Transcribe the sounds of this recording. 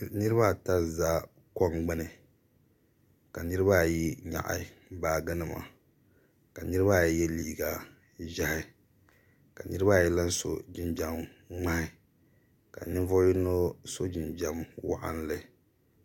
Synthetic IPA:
nɨ˦ɾɨ˦ba˦˨ta˦zaː˦ | kɔ˦ŋɡ͡bɨ˦nɨ˨ | ka˨nɨ˦ɾɨ˦ba˦ji˦ɲa̰˨ʔa̰˨˦baː˨ɡɨ˦nɨ˨ma̰˨ | ka˨nɨ˦ɾɨ˦ba˦˨jɛ˦liː˦˨ɡa˨ | ʒa˦hɪ˦ | ka˨nɨ˦ɾɨ˦ba˦˨jɛ˦la˦n˦so̰˨d͡ʒɪ˦nd͡ʒa˦m | ŋ͡ma˦hɪ˦ | ka̰˨nɨ˦nvo˦ji˦no˦so˦d͡ʒɪ˨nd͡ʒa˦mwa̰˦ʔa̰˦n˦lɨ˨

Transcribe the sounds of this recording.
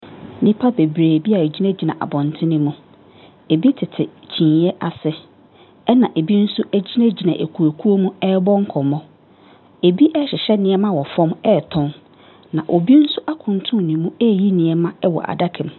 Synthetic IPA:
nĩ˦pʰa˦be˨bɾeː˨bi˦a˨e˨d͡ʑi˦nɛ̃˦d͡ʑi˨nã˨ʔa̰˨bɔ̃˨ntʰɪ̃˦nɪ̃˦mũ˦ | e˨bi˦tʰɪ˨tʰɪ˨t͡ɕʰĩ˨n˨˦ɛ˦ʔa˨sɪ˨ | ɛ˦nã˨ʔe˨bi˦n̩˦sʊ˦ʔæ˦d͡ʑi˦næ̃˦d͡ʑi˨nã˨ʔe˨kʰu˨æ˨kʰu˦o˦mũ˦ɛ˦bɔ̃˦ŋ̩˦kʰɔ˨mɔ̃˦ | e˨bi˦ʔɛ˦ɕɪ˨ɕɛ˦nɪ̃˨ɛ˦mã˦wɔ˨fɔ̃˦mɛ˦˨tʰɔ̃˦n | nã˨ʔo˨bi˦n̩˦sʊ˦ʔa˦kʰʊ̃˨ntʰʊ̃˦˨nĩ˨mũ˦ɛ˦˨ji˦nĩ˨ɛ˦mã˦ɛ˦wɔ̰˨ʔa̰˨da˦kʰɛ̃˨m

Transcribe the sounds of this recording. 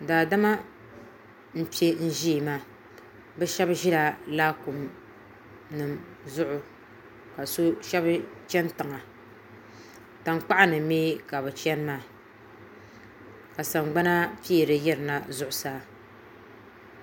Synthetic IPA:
daː˨da˦ma˦ | m̩˦pi˦e˦n̩˦ʒi˦˨maː˦ | bɛ˦ʃɛ˦bʒɪ˦la˨laː˦ku˨m | nɨ˨m | zʊ˦ʔʊ˨ | ka˨so˦ʃɛ˦bt͡ʃɛ˦ntɨ˨ŋa˨ | ta˨ŋ˦k͡pa˦ʔa˦nɨ˨meː˦ka˨bɨ˨t͡ʃɛ˦n˦maː˦˨ | ka˨sa˨mɡ͡ba˦na˦pi˦˨ɾɨ˨jɛ˦ɾɨ˨na˨zʊ˦ʔʊ˨saː˦

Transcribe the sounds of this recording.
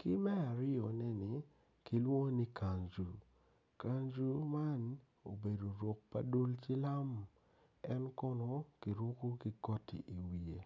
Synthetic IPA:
kɪ˦mɛ˦a˨ɾɪ˦ɔ˨nɛ˦ni˨ | ki˨˦lwo˦ni˦ka˨ɲd͡ʒu˨ | ka˨nd͡ʒu˦ma˦n | o˨be˨do˨ɾo˨k̚pa̰˦do˦lt͡ʃi˦la˦m | ɛ˦nkɔ˦nɔ˦ki˨ɾo˦ku˦ki˦ɡɔ˦tḭ˨ʔi˨wi˨e˨

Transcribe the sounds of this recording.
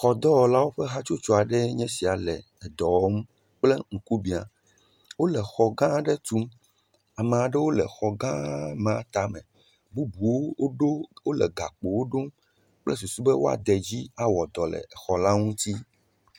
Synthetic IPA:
xɔ˨d̪ɔ˦wɔ˨la˦wo˦ɸɛ˦ɦa˦t͡ʃo˦t͡ʃɔ˦a˨ɖɛ˦ɲɛ̃˦si˨a˨lɛ̰˨ | ɛ˨d̪ɔ˨wɔ˦m˦ | k͡plɛ˦ŋ̩˨ku˦bi˨a̰˨ | wo˦lɛ˨xɔ˨ɡã˦ɖɛ˦t̪u˦m | a˨mẽ˨a˨ɖɛ˦wo˦lɛ̰˨xɔ˨ɡã˦mã˨˦t̪a˦mɛ̰̃˨ | bu˦bu˨wo˦ɖo˦wo˦lɛ̰˨ɡa̰˨k͡po˨wo˦ɖo˦m | k͡plɛ̰˦s̬u˨su˦bɛ˦wo˦a̰˨d̪ɛ˨d͡ʑi˦a˦wɔ˨d̪ɔ˨lɛ̰˨xɔ˨la˦ŋũ˦t̪i˦

